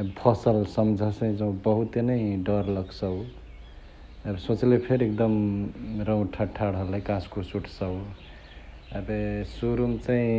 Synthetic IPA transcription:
bʱʰɔsəlsəmd͡ʒʱəsə̃jd͡ʒəw̃bəɦut̪enəɪɖəɾləɡsəw | əbsot͡ʃlepʰeɾek̚d̪əmɾə̃w̃ʈʰəʈʰːaɽɦəlekãskusuʈʰsə | əbsuɾumt͡ʃaĩ

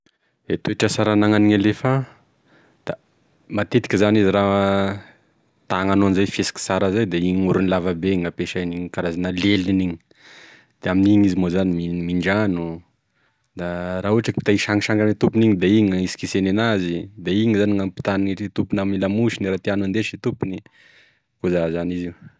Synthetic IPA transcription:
et̪oeʈ͡ʂəsaɾanaŋaniŋalefa | d̪̥a | mat̪et̪i̥kʲəzaniziɾa | t̪aŋanoanzajfesi̥ki̥saɾazajd̪eiɲuɾunilavabeŋapeʃaniŋkaɾazanəleliniŋi̥ | d̪̥eaminiŋizimozanimimiɳɖ͡ʐanu | d̪aɾaɦuaʈ͡ʂakipi̥t̪aiʃaŋiʃaŋanit̪upuniŋid̪aiŋəisi̥kisenenazid̪aiŋəzaniŋampi̥t̪aniiit̪upunamilamuʃiniɾat̪ianuand̪eʃit̪upuni | kuzazaniziu

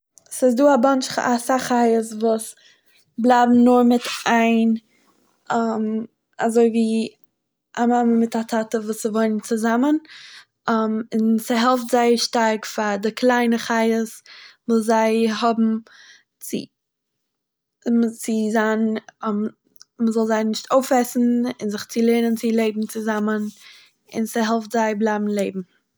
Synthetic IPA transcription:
sɪs̬duːabant͡ʃasaχaɪəsvuːs | blˠaːbm̩nʊɾmɪtaɪn | am | azoɪviː | ʔamaməmɪtatʰatəvuːsɪvoɪnənt͡sɪzamən | amɪnsɪɦɛlˠftz̥aɪʃtaɾkfadɪkʰlˠaɪnəχaɪəsvuːszaɪɦɔbm̩ | t͡sɪ̰ | mt͡sɪzan | məzɔlˠzaɪnɪʃtʰoʊfɛsn̩ɪnzɪχt͡sɪlˠeɪnənt͡sɪlˠeɪbm̩t͡sɪzamən | ɪ̰nsɪɦɛlˠftz̥aɪblˠaɪbm̩lˠeɪbm̩

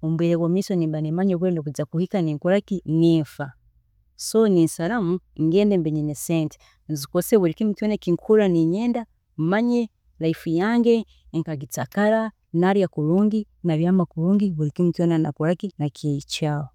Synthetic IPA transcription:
omubeɾeɡwamisonimbanimaɲoβwenokuzakuhikaniŋkuɾakiniːɱfa | soninsalamuŋɡeːndembeɲenesenti̥ | nzikoseβuɾikimitwenekiŋkʰuɾaniɲeːnda | maɲe | lajifujaːŋɡe | ŋkaɡit͡sakaɾa | naɾjakuɾuːŋɡi | naβjamakuɾuːŋɡiβuɾikimitwenanakuɾakinakeit͡ʃawo

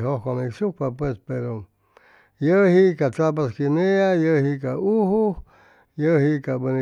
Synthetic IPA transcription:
ɦohkʷaneksukpapwespeɾo | jəhikat͡sap̬askineajəhikauhu | jəhikabəne

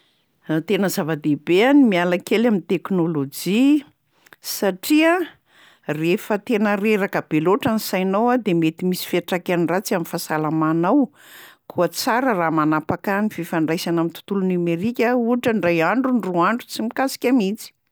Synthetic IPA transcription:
t̪enəzavad̪ebeanimialakelamint̪eknolod͡ʒi | saʈ͡ʂiə | refət̪enəɾeɾakəb̥eloʈ͡ʂanisajnowad̪emet̪imisi̥feaʈ͡ʂakʲanirat͡saminfasalamanaw | kʰuət͡saɾəramanapakanififaɳɖ͡ʐajsanamit̪u̥t̪ulunumeɾikʲəuʈ͡ʂəɳɖ͡ʐajaɳɖ͡ʐuɳruaɳɖ͡ʐut͡simikasi̥kʲamit͡si̥

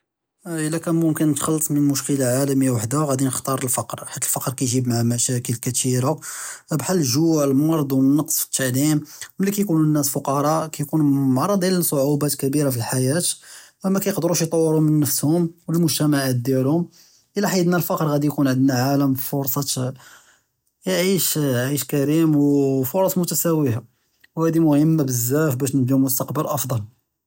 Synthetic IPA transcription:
ʔəlːækæmʊmkənːət̪xɑlːsˤmənmʊʃkəlaʕalæmijːawaħd̪æɣæd̪inəxt̪ɑɾˤəlfɑqɾħat̪ːəlfɑqɾkæjʒibmaʕamæʃækəlkæt̪iɾabħalːəʒuʕlmɑɾˤd̪ˤwənːɑqsˤfə̥t̪ʰːaʕlimmlːikæjkununːæsfʊqɑɾˤɑkæjkunmɑʕɾˤːɑd̪ˤjælsˤoʕubæt̪kæbiɾafilħajæt̪wmækæjəqd̪əɾuʃjt̪ˤɑwːəɾʊmənːəfshʊmwəlmʊʒt̪æmaʕat̪̚d̪jælhʊm | ʔəlæħad̪nælfɑqɾˤɣæd̪ijkunʕəd̪naʕaləmfʊɾˤsˤɑt̪ | jʕiʃʕiʃkæɾimwfʊɾˤɑsˤmʊt̪æsæwiha | whæd̪imʊhəmːabəzːæfbæʃnəd̪iumʊst̪ɑqbəlʔɑfd̪ˤɑl

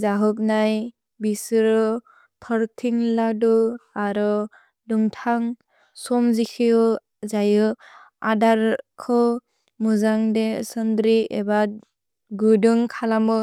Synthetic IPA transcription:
zaɦɯk̚naj | bisɯɾɯ | tʰɔɾtʰiŋladuaɾɯ | duŋtʰaŋ | sɔmzikʰijɔ | zajɯ | a̰daɾkʰɯ | muzaŋdesɯndɾieba | ɡudɯŋkʰalamɯ

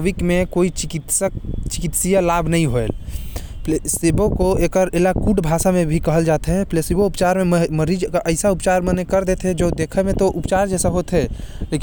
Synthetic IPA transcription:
ʋikmekoit͡ʃkit̪səkt͡ʃikit̪sijalabʱnəĩɦoel | lsebokoekəɾelakuʈbʱasamebʱikəɦəld͡ʒat̪ɦɛ̃plesiboupt͡ʃaɾmemməɾid͡ʒkaʔəɪsaupt͡ʃaɾmənekəɾd̪et̪ɦɛd͡ʒoːd̪ekʰɛmet̪ɔʔupt͡ʃaɾd͡ʒɛːsaɦot̪ɦɛleki

